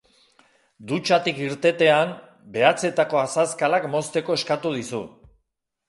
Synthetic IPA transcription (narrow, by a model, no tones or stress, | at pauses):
d̪ut͡ʃat̪ikiɾt̪e̞t̪e̞an | be̞at͡se̞t̪ako̞asaskalakmo̞st̪e̞ko̞e̞skat̪uð̞isu